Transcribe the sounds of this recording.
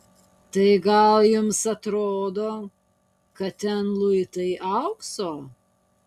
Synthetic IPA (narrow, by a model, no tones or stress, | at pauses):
t̪ɐɪɡɐlˠjʊmsɐt̪ɾoːd̪oː | kɐt̪t̪ʲɛnlˠʊɪt̪ɐɪʔɐʊksoː